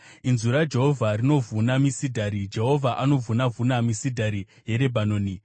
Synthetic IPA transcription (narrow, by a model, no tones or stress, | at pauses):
inzuɾad͡ʒe̞ɦo̞vʱarino̞vunamisidʱaɾid͡ʒe̞ɦo̞vʱaʔano̞vunavunamisidʱaɾi | je̞ɾe̞bʱanoːni